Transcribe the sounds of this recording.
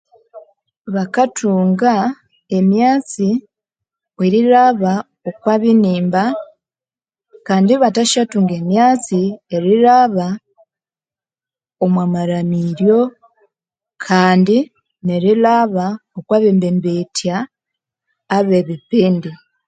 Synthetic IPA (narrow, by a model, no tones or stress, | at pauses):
βakatʰuːŋɡa | e̞mjaːt͡si | eɾiɾaβa | okwaːβiniːmba | kaːndiβataʃatuːŋɡe̞mjaːt͡sieɾiɾaβa | omwamaɾamiɾjo̞ | kʰaːndi | neɾiɾaβaokwaːβimbembetja | βe̞βipiːndi